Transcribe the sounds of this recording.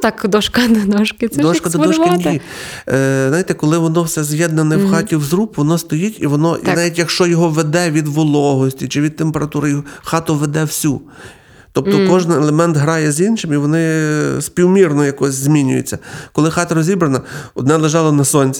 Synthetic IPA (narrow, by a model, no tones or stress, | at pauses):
t̪ɑkd̪ɔʃkɐd̪ɐd̪ɔʃkɪd̪ɔʃkɐd̪ɔɔʃkɪnʲi | znɑjit̪ɛkɔlˠɪʋɔnɔwsɛzjɛd̪̚nɐnɛwxɑtʲiwzɾupʋɔnɔst̪ɔjitʲḭʋɔnɔʔḭɑʋʲitʲjɐkʃt͡ʃɔjɔɦɔʋed̪ɛʋʲid̪ʋɔlˠɔɦɔsʲtʲit͡ʃɪʋʲid̪̚t̪empeɾɐt̪uɾɪjxɑt̪ʊʋed̪ɛwsʲu | t̪ɔp̚t̪ɔkkɔʒnelˠemɛnt̪ɦɾɑjɛzʲinʃɪmiʋɔnɪsʲpʲiwmʲirnɔjɐkɔsʲzʲmʲinʲʊ̰jɪ̰t͡sʲːɐkɔlˠɪxɑt̪ɐɾɔzʲibɾɐnɐɔ̰d̪nɛlˠeʒɑlˠɔnɐsɔnʲt͡sʲi